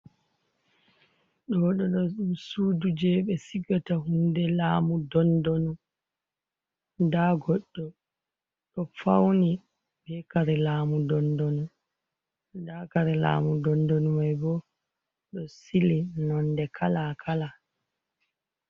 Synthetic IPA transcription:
ɗɔɗɔɗɔɗumsuːdud͡ʒɛɓɛsiɡatahundɛlaːmudɔndɔnu | ndaɡɔɗːɔ | ɗɔfa̰wni | bɛkaɾɛlaːmudɔndɔnu | dakaɾɛla̰ːmudɔndɔnumajbɔ | ɗɔsilinɔndɛkʰalakʰala

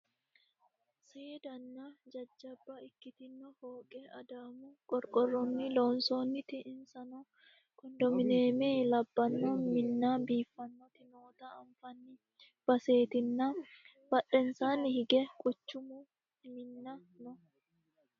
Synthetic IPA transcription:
seːd̪ɐnːɐd͡ʒɐd͡ʒːɐbːɐɪkːɪt̪ɪnːɔhoːkʼɛɐd̪aːmʊkʼɔɾkʼɔrːɔnːɪloːnsoːnːɪt̪ɪʔɪnsɐnɔ | kɔnd̪ɔmɪne̞ːme̞ːlɐbːɐnːomɪnːaːbiːfːɐnːɔt̪ɪno̞ːt̪ɐɐɱfɐnːɪ | b̥ɐse̞ːt̪ɪnːɐ | b̥ɐᶑɛnsaːnɪhɪɡɛkʼʊt͡ʃːʊmʊ | mɪnːɐ | nɔ

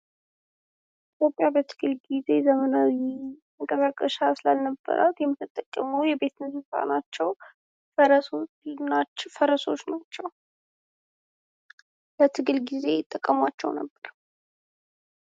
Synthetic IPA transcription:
ʔit̪ʰjo̞pʼːjabət̪ʰɨ̥ɡɨlɡize̞zəmənawiməkʼəsakʼːəʃasɨlalnəbːə̰ɾʔa̰t̪jɛmːɨt̪ɨt̪ʼːəkʼːəmujɛbe̞t̪ʰɨnsɨfa̰nat͡ʃːɛw | əɾəso | afəɾəso̞t͡ʃːnat͡ʃːɛw | lət̪ʰɨɡɨlɡize̞jɪt̪ʼːəkʼːəmwat͡ʃːɛwnə̰bːəɾ

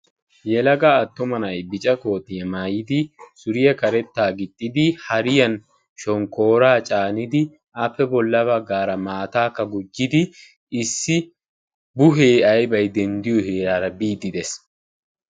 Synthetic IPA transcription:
jɛlɐɡaːt̪ːʊmɐnɐjbɪt͡ʃʼɐko̞ːt̪ɪjɛmaːjɪd̪ɪsʊɾɪjɛkɐɾɛt̪ːaːɡɪt̪ʼːɪd̪ɪhɐɾɪjɐn | ʃɔŋko̞ːɾaːt͡ʃʼaːnɪd̪ɪ | ʔɐfːɛbɔlːɐβɐɡːaːɾɐmaːt̪aːkːɐɡʊd͡ʒːɪd̪ɪ | ɪsːɪ | bʊɦeːɐjbɐjd̪ɛnd̪ɪjɔheːɾaːɾɐbiːd̪ɪd̪ɛs

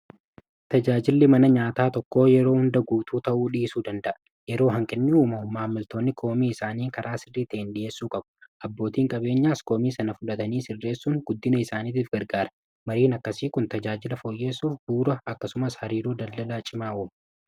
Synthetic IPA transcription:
t̪ɐd͡ʒaːd͡ʒɪlːɪmɐnɐɲaːt̪aːt̪ɔkːo̞ːjɛɾo̞ːhʊnd̪ɐɡuːt̪ʰuːt̪ɐʔuːᶑisuːd̪ɐnd̪ɐʔɐ̥ | jɛɾo̞ːɦɐŋkʼɪnːɪuːmɐmaːmːɪlt̪o̞ːnːɪkʰo̞ːmiːɪsaːniːkɐɾʔaːsɪrːiːt̪eɪnᶑɪje̞ːsːuːkʼɐbʊ̥ʔɐbːo̞ːt̪iːŋkʼɐbe̞ːɲːaːsko̞ːmiːsɐnɐfʊᶑɐt̪ɐniːsɪrːe̞ːsːuːŋɡʊd̪ːɪnɐɪsaːniːt̪̬iːfɡɐɾɡaːɾɐ | mɐɾiːnɐkːɐsiːkʊnt̪ɐd͡ʒaːd͡ʒɪlɐfoːjːe̞ːsːuːfbuːɾɐɐkːɐsʊmɐshɐɾiːɾuːd̪ɐlːɐlaːt͡ʃʼɪmaːwoːm

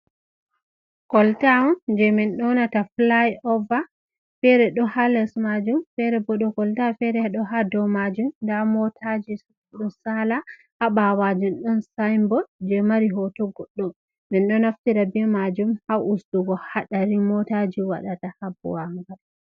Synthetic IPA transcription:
kɔltaɔnd͡ʒɛmɛnɗɔnataflajɔva | fɛɾɛɗɔhalɛsmad͡ʒumfɛɾɛbɔɗɔkɔltafɛɾɛɗɔɦadɔmad͡ʒumndamɔtʰad͡ʒi | ɗɔsala | haɓawad͡ʒunɗɔnsajmbɔd͡ʒɛmaɾiɦɔtɔɡɔɗːɔ | mɛnɗɔnaftiɾabɛmad͡ʒumhaʔusduɡɔhaɗaɾimɔtad͡ʒiwa̰ɗatahabṵwaŋɡad

